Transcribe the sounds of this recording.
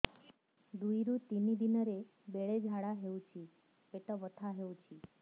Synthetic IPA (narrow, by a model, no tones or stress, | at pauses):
d̪uiɾut̪inid̪inəɾe | beɭed͡ʒʱaɽaɦeũt͡ʃʰi | peʈəʋət̪ʰaɦeũt͡ʃʰi